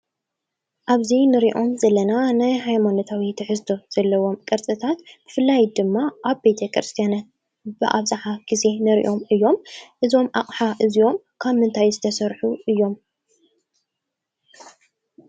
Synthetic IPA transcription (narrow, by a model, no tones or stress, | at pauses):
ʔaβzinɨɾiʔo̞mzɐlːɐnanajɦajmanot̪ʰawit̪ʰɨħɨzd̪ʰo̞z̥ɐlːɐwo̞mkʼɐɾt͡sʼɨt̪ʰat̪b̥ɨfɨlːajd̪ɨmːaʔaβbe̞t̪ʰɐkʰɾɨst̪ʰijanat̪̚ | bɨ̰ʔa̰βzʼaħaɡ̥ize̞nɨɾḭʔo̞mɨjːo̞mʔɨzo̞mʔaχʼħaʔɨzio̞m | kʰaβmɨnt̪ʰajzɨt̪ʰɐsɐɾħuʔɨjːo̞m